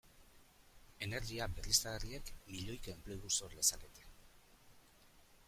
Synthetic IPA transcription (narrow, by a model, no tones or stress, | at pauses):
e̞ne̞ɾɣiabe̞rist̪aerie̞kmiʎo̞jkempleɣusoɾle̞saket̪e̥